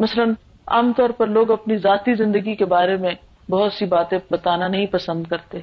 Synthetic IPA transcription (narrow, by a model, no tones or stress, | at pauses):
mɐsələn | a̰ːmt̪ɔːɾpɐɾloːɡɐpnizaːt̪izɪ̃nd̪əɡikebaːɾemẽ | bɐɦʊt̪sibaːt̪ẽbɐt̪aːnanɐɦĩpɐsə̃nd̪kɐɾt̪e